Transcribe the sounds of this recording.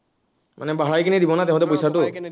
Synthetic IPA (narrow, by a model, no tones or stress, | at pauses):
mʔa̰nɛbaɦaɹajkinidibɔnatɛʊ̃tɛp̬ojsatʊ